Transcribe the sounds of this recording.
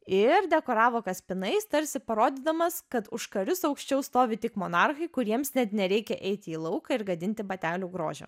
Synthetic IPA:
ɪɾd̪ʲɛkoːɾɑːʋoːkɐsʲpʲɪnɐɪst̪ɐɾʲsʲɪpɐɾoːd̪ʲɪːd̪ɐmɐskɐt̪ʊʃkɐɾʲʊsɒʊkʃʲt͡ʃʲɛʊst̪oːʋʲɪt̪ʲɪkmoːnɑrxɐɪkʊɾʲiɛmsnʲɛt̪nʲɛɾʲɛɪkʲɛʔɛɪt̪ʲɪiːlˠɐʊkɐɪɾɡɐd̪ʲɪnʲt̪ʲɪbɐt̪ʲæːlʲuːɡɾo̰ːʒʲɛ̰

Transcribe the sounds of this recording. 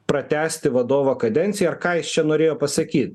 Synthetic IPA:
pɾɐt̪ʲæːsʲt̪ʲɪʋɐd̪oːʋokɐd̪ʲɛnʲt̪sʲɪjɛɐɾkɑːjɪst͡ʃʲɛnoːɾʲeːjoːpɐsɐkʲiːt̪̚ʲ

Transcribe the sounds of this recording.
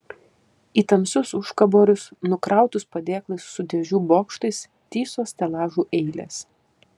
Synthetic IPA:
iːt̪ɐmʲsʲʊsʊʃkɐboːɾʲʊsnʊkɾɑˑʊt̪ʊspɐd̪ʲeːklˠɐɪsːʊd̪ʲɛʒʲuːboːkʃt̪ɐɪs | t̪ʲiːsoːst̪ʲɛlˠɑːʒuːʔɛɪlʲḛːs

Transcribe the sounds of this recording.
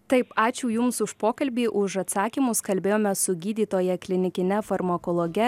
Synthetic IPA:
t̪ɐɪpɑːt͡ʃʲʊːjʊmsʊʃpoːkɐlʲbʲiːʔʊʃɐt̪sɑːkʲiːmʊskɐlʲbʲeːjoːmʲɛsʊɡʲiːd̪ʲiːt̪oːjɛklʲɪnʲɪkʲɪnʲɛfɐɾmɐkoːlˠoːɡʲɛ

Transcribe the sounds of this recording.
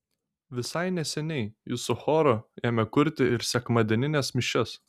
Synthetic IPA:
ʋʲɪsɐɪnʲɛsʲɛnʲɛɪjusʊxoːɾojɛmʲɛkʊɾʲt̪ʲɪɪɾsʲɛkmɐd̪ʲɛnʲɪnʲɛsmʲɪʃʲɛs

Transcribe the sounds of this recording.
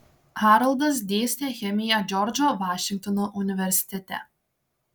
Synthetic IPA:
haɾɐlˠd̪ɐsd̪ʲeːsʲnʲexʲɛmʲijɛd͡ʒʲɔɾd͡ʒoʋaːʃʲɪŋk̚t̪ɔnoʔʊnʲɪʋʲɛɾʲsʲɪ̥t̪ʲɛt̪ʲɛ̰

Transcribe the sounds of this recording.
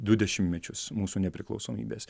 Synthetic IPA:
d̪ʊd̪ʲɛʃʲɪmʲmʲɛt͡ʃʲʊsmuːsuːnʲɛpʲɾʲɪklˠɐʊsoːmʲḭːbʲeːs

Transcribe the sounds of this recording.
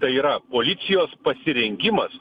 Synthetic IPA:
t̪ɐɪiːɾɐpoːlʲɪt̪sʲɪjoːspɐsʲɪɾʲɛŋʲɡʲɪmɐs

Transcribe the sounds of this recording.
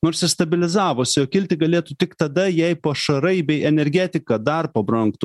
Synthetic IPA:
noːɾsʲɪst̪ɐbʲɪlʲɪzɑːʋoːsʲɪoːkʲɪlʲt̪ʲɪɡɐlʲeːt̪ʊt̪ʲɪkt̪ɐd̪ɐjɛɪpɐʃɐɾɐɪbʲɛɪʔɛnʲɛɾʲɡʲæːt̪ʲɪkɐd̪ɐrpɐbɾɐŋkt̪ʊ

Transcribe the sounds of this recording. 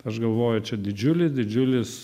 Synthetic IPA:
ɐʃɡɐlˠʋoːjʊt͡ʃʲɛd̪ʲɪd͡ʒʲʊlʲɪsd̪ʲɪd͡ʒʲʊlʲɪs

